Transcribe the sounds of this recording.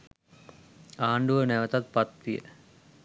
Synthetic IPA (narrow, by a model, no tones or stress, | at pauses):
aːɳɖuʋənæʋət̪at̪̚pat̪ʋijə̰